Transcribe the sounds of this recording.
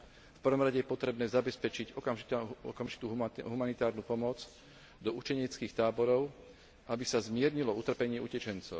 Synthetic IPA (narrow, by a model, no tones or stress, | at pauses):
fpr̩ʋɔmɾaɟɛjɛpɔt̪ɾɛbnɛːzabɛspɛt͡ʃiɟɔkamʒiɔ̰kamʒi̥t̪uːɦɦumanit̪aːɾnuːpɔmɔd͡z | d̪ɔut͡ʃɛɲɪɛt͡skixt̪aːbɔɾɔʊ | ʔabisazmɪɛɾɲilɔut̪r̩pɛɲɪɛʔucɛt͡ʃɛnt͡sɔʊ